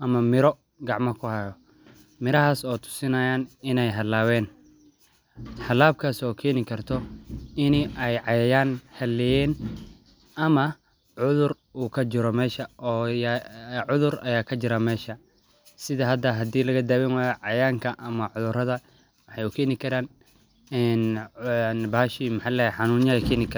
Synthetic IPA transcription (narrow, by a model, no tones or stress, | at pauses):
ʔɐmɐmɪɾɔ | ɡɑʕmɐkʰʊhɐjɔ | mɪɾɐɦaːsɔːt̪ʰʊ̥sɪnɐːjaːnɪnɛjɦɐlaːwɛːn | hɐlːaːb̚kʰaːsɔːkʰɛːnɪkʰɐrt̪ʰɔɪniʔɛjʕɑjɐjaːnhɐlɛjɛːn | ʔɐmɐ | ʕʊðʊr | uːkʰɐt͡ʃɪɾɔmɛːʃɐʔɔːjʕʊðʊrɐjaːkʰɐt͡ʃɪɾɐmɛːʃɐ | sɪðɐɦɐd̪ɐɦɐd̪iːlɐɣɐd̪aːwɛnwaːjɐʕɑjaːŋkʰɐʔɐmɐʕʊðʊrɐðɐ | wɑħɑjʊkʰɛːnɪkʰɐɾaːn | ɛːnnbaːʃiːmɪħɑlɛːħɑnuːnjɐkʰɛːnɪkʰɐ